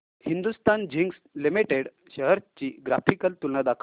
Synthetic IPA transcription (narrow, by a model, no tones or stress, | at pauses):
hind̪ust̪and͡ʑiŋɡslimiʈeɽ | ɕəɦəɾt͡ɕiːɡɾafʰikəlt̪ulːad̪akʰ